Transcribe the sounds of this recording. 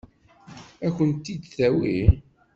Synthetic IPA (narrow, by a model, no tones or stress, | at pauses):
ækʷənt̪ːid̪θæwi